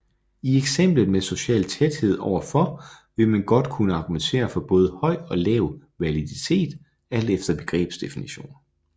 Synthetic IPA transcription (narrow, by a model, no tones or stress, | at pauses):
ieɡ̥sem̰b̥ləð̩ˠmeso̝ɕɛ̰ːlt͡sʰed̥he̝ð̞̰ˠɒʊ̰ɐfɒ̽ʋe̝mænɡ̥ɒ̽d̥kʰunəɑ̈ɡ̥ument͡sʰe̝̰ːɐfɒ̽b̥ɔ̽ːð̞ˠəhɒ̽ɪ̰ɒ̽lɛːʊ | ʋæliðit͡sʰe̝̰ːd̥ | æl̰d̥efd̥ɐb̥e̝ɡ̥ʁɛ̰ːb̥sd̥e̝finiɕo̝̰ːn